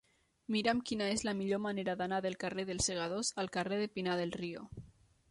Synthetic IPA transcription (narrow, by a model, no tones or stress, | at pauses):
miɾamkinaezlamiʎomaneɾaðanaðelˠkareðelˠseɣ̞að̞ozalˠkareðepinað̞elˠrio̰